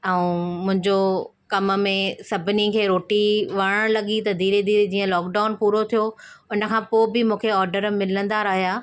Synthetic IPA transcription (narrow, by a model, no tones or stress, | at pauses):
ɛũmʊ̃ɦɪ̃ɲd͡ʑo | kɐmmẽsɐbʱɪnikʰeːɾoːʈiʋɐɽəɽ̃lɐɠit̪ɐd̪iːɾed̪iːɾd͡ʑiːə̃lɔːkɖaːʊnpuːɾot̪ʰijoʊnə̆kʰãːpoːbɪmũːkʰeɔːɾɖəɾmɪlə̃nd̪aɾɐɦijaː